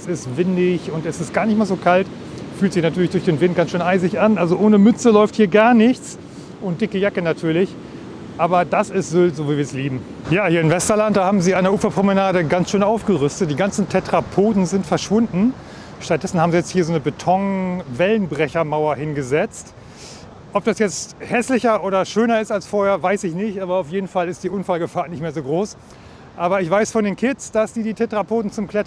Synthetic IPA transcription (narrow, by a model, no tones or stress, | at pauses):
sɪstv̥ɪndɪçʊntɛsɪst̚ɡ̥aːɐnɪçtmaːɐzoːkʰalt | fyːltz̥ɪçnatʰyːɐlɪçd̥ʊɐçd̥eːnvɪntɡ̥ansʃøːnʔaɪzɪçʔanʔalzoʔoːnəmʏt͡səlɔʏfthiːɐɡaɐnɪçt͡s | ʔʊntd̥ɪkəjakənatʰyːɐlɪç | ʔaːbɐdasɪstz̥ʏltz̥oːviːviɐɛsliːbm̩ | jaːhiːɐɪmvɛstɐlantd̥aːhaːbm̩ziːaɪneɐʔuːfɐpʁ̥omənaːdəɡansʃøːnaʊfɡ̥əʁʏstət̚d̥iːɡant͡sn̩tʰɛtʁ̥apʰoːtn̩zɪntfɛɐʃv̥ʊndn̩ | ʃtat̚d̥ɛsn̩haːbm̩zijɛt͡sthiːɐzoːnəbetʰɔŋvɛlənbʁɛçɐmaʊɐhɪnɡəzɛt͡st | ʔɔp̚d̥asjɛt͡sthɛslɪçɐʔoːɾɐʃøːnɐɪstalsfoːɐheːɐvaɪsɪçnɪçtʔaːbɐaʊfjeːdn̩falɪstd̥iːʔʊnfalɡəfaːnɪçtmeːɐzoːɡʁoːs | ʔaːbɐɪçv̥aɪsfɔndeːnkʰɪtsd̥asd̥iːdiːtʰɛtʁ̥apʰoːtn̩t͡sʊmkl̥ɛt